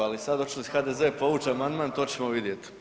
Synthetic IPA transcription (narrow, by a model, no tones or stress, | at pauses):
alisad̪ot͡ʃi̥lisxad̪ezepo̞ʋuːt͡ʃeamand̪mant̪o̞t͡ɕemoʋid̪je̞t̪i̥